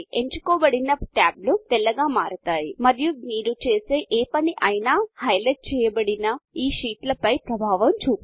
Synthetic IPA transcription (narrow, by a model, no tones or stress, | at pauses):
eɲt͡ʃukɔːbɐɽinɐʈaːblut̪ɛlːɐɡaːmaːɾut̪aːjimɐɾijumiːɾut͡ʃeːseːʔeːpɐniʔɐjnaːhɐjleʈ̚t͡ʃɛːjɐbɐɽinɐiːʃiːʈlɐpɐjpɾɐbʱaːʋɐmt͡ʃuːp